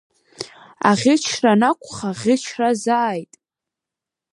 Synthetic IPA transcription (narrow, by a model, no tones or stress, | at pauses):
a̰ʁʲɪt͡ʃʰranakʷʰʼχaʁʲɪt͡ʃʰrazaːjtʼ